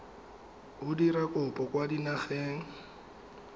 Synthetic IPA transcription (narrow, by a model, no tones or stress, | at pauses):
ʊdiɾakʼʊpʼɔkʼwadinaχeːŋ̩